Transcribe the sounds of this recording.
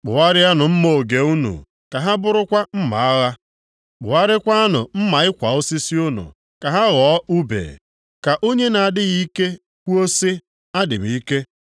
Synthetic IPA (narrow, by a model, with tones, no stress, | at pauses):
k͡pʊ˨wa˦ɾɪ˦a˦nʊ˨m̩˦mo˨ɡe˨u˦nṵ˨ | ka˨ɦa˦bʊ˦ɾʊ˦kʷa˦m̩˦ma̰˨˦ɣa˦ | k͡pʊ̰˨wa˦ɾɪ˦kʷa˦a˦nʊ˨m̩˦ma˨ɪ˦kʷa˨ʊ˦si˦si˦ʊ˦nṵ˨ | ka˨ɦa˦ɣɔ˨˦u˦bḛː˨ | ka˨ʔo˦ɲe˦na˨dɪ˦ɣi˦ke˦ | kʷu˦o˦si˦ | a˦dɪ̰˨m̩˦i˦ke˦